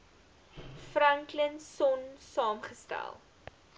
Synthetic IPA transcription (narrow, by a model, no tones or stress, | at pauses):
frɐŋklənsɔnsɑːmχəstæ̰lˠ